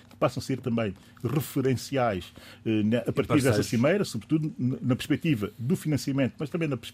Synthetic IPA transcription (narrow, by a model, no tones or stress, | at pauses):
kɨ̥pasɐ̃w̃seɾt̪ɐ̃mbɐ̃j̃ | ʁɨfɨɾẽsiajʃɛnɛʔɐpɐɾt̪iɾðɛsɐsimɐjɾɐsuβɾt̪uðunnɐpɨɾʃpɛk̚t̪ivɐðufinɐ̃siɐmẽnt̪umɐʃt̪ɐ̃mbɐ̃j̃nɐpɾʃ